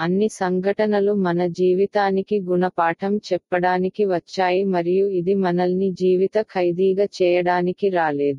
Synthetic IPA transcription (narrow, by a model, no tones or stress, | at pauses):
ɐnːisɐŋɡʱɐʈɐnɐlumɐnɐd͡ʒiːʋit̪aːnikiɡunɐpaːʈʰɐmt͡ʃɛpːɐɽaːnikiʋɐt͡ʃːaːjimɐɾijuid̪imɐnɐlnid͡ʒiːʋit̪ɐkʰɐjd̪iːɡɐt͡ʃɛːjɐɽaːnikiɾaːleːd̪u